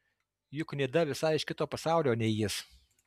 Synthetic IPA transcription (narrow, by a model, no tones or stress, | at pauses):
jʊknʲeːd̪ɐʋʲɪsɐɪɪʃkʲɪt̪oːpɐsɑˑʊlʲoːnʲɛɪjɪs